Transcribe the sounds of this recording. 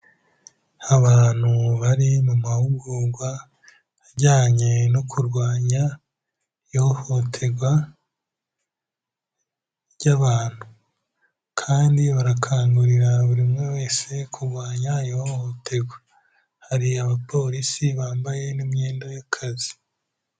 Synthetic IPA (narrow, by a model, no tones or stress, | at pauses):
haβaːn̥huβaɾimumahuɡuɡwa | aɾɟaːɲe̞nokʰuɾɡwaːɲa | joːho̞tʰe̞ɡwa | ɟaβaːn̥hu | kʰaːndiβaɾakʰaːŋɡuɾiɾaβuɾimŋe̞we̞ːse̞kʰuɾɡwaːɲajohotʰe̞ɡwa | haɾiaβapo̞ːɾisiβaːmbaje̞nimɲe̞ːndajakʰazi